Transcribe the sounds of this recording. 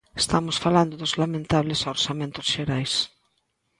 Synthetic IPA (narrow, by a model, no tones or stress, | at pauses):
est̪amʊsfaland̪ʊðʊzlamẽnt̪aβlɪsoɾsamẽnt̪ʊsʃeɾajs